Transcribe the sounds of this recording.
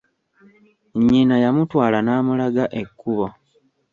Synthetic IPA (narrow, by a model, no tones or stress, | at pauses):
ɲːinajamutwaːlanaːmulaɡaʔe̞kːuβo